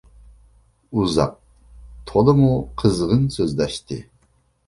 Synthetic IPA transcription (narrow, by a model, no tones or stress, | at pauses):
uzɑ̰q̚ | t̪ʰolɨmuqʰəzʁɨnsøzd̪æʃt̪ḭ